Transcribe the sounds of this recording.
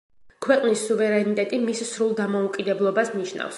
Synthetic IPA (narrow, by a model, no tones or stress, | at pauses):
kʰwɛqʼnisːuvɛɾɛnit̪ʼɛt̪ʼimissɾulˠd̪amɔukʼid̪ɛblˠɔbasniʃna̰fs